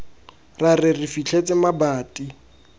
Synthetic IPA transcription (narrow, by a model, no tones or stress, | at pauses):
rarɪrifit͡ɬʰet͡sʼɪmabaːtʼi